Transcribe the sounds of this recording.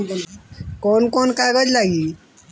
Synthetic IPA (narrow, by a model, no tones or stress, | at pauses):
kɔnkɔnkajbəd͡ʒlaɡi